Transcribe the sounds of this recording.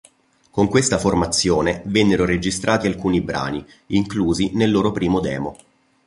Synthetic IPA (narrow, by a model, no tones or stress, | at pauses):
koŋkwest̪aformat̪sːjoːnevɛnːeɾoɾed͡ʒist̪ɾʔaːt̪ialkuːnibɾa̰ːni | iŋkluːzinelːoːɾopɾiːmod̪ɛːmo